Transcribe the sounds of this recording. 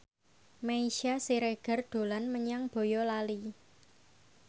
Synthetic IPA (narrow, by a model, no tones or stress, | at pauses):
maiʃasiɾeɡ̥ə̤rd̪̥o̤lanməɲaŋb̥o̤jɔlali